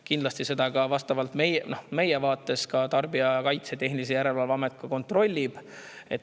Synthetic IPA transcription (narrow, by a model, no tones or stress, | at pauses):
kind̪lɑst̪ise̞d̪̥ɑkɑvɑst̪ɑvɑlt̪mejnohme̞jevɑːt̪ːˑe̞skɑt̪ɑrbiɑkɑjt̪set̪e̞ɦniis̬ejæɾe̞lvɑlvɑme̞t̪̚kɑko̞nt̪ˑro̞lʲːib̥e̞t̪